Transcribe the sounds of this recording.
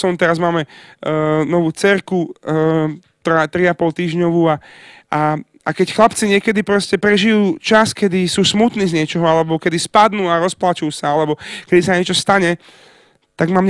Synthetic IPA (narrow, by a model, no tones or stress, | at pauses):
ɔnt̪ɛɾazmaːmɛ | nɔʋuːt͡sɛɾku | t̪ɾat̪ɾiapɔlt̪iːʒɲɔʋuːa | a | akɛcxlapt͡siɲɪɛkɛd̪ipɾɔscɛpɾɛʒijuːt͡ʃaskɛd̪isuːsmut̪niːzɲɪɛt͡ʃɔɦɔalɛbɔkɛd̪ispad̪nuːaɾɔsplat͡ʃujusaalɛbɔkɛd̪isaɲɪɛt͡ʃɔst̪aɲɛ | t̪aɡmaːmɲ